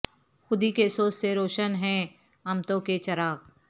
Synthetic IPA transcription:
xʊd̪ikesoːsseɾoːʃənɦɛ̃ | ɐmt̪õket͡ʃɐɾaːk

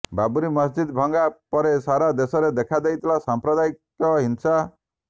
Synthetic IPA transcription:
babuɾimʌsd͡ʒid̪bʱɔŋɡapɔɾesaɾad̪esɔɾed̪ekʰad̪ajt̪ʰilasampɾɔd̪aik | ɔɦinsa

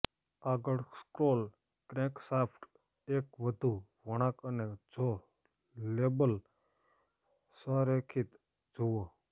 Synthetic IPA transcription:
aːɡəɭskɾoːl | kɾẽksaːpʰʈ | eːkʋəd̪ʱuʋəɳ̃ãːkəned͡ʒo | leːbəl | səɾekʰit̪ | d͡ʒuo

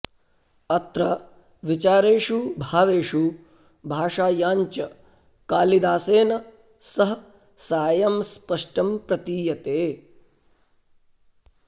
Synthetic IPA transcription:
ɐt̪ɾɐ | ʋit͡ʃaːɾeːʂubʱaːʋeːʂu | bʱaːʂaːjaːɲt͡ʃɐ | kaːlid̪aːseːnɐ | sɐɦɐ | saːjɐmspɐʂʈɐmpɾɐt̪iːjɐt̪eː

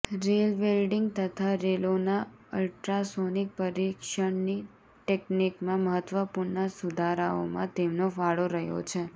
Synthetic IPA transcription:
ɾelʋelɖiŋɡ̚t̪ət̪ʰaɾelonaəlʈɾasonik̚pəɾikʃəɳni | ʈeknikmãməɦət̪ʋəpuɾnasud̪ʱaɾao̰mã̰t̪emnofaɭoɾəɦjo̰t͡ʃʰe

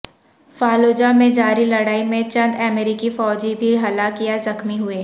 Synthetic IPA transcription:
faːloːd͡ʒamẽd͡ʒaːɾilɐɽaːimẽt͡ʃɐ̃nd̪ɛmeːɾɪkifɔːd͡ʒibʱiɦɐlakijazɐxmiɦʊeː

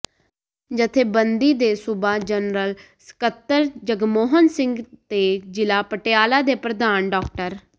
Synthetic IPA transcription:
d͡ʒət̪ʰeːbənd̪iːd̪eːsʊbaːd͡ʒənɾəl | sə̥kət̪ːəɾd͡ʒəɡmoːɦənsɪ̃ŋɡt̪eːd͡ʒɪlaːpəʈejaːlaːd̪eːpɾəd̪aːnɖɔːk̚ʈəɾ

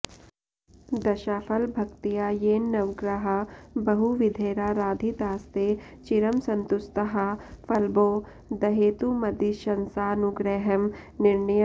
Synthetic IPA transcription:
d̪ɐʃaːfʰɐlbʱɐkt̪ijaːjeːnːɐʋɡɾaɦɐbɐɦuʋɪd̪ʱeːɾaːɾaːd̪ʱit̪aːst̪eː | t͡ʃiɾɐmsɐnt̪ʊst̪ɐɦɐfɐlboː | d̪ɐɦeːt̪umɐd̪iʃɐnsaːnuɡɾɛɦɐmnɪɾɳɐj

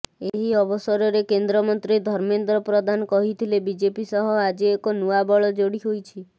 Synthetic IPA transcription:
eɦiɔbɔsɔɾɔɾekend̪ɾɔmɔnt̪ɾid̪ʱɔɾmend̪ɾɔpɾɔd̪ʱanɔkɔɦit̪ʰilebid͡ʒepisɔɦɔad͡ʒiːkonuabɔɭɔd͡ʒoɽiɦojt͡ʃʰi

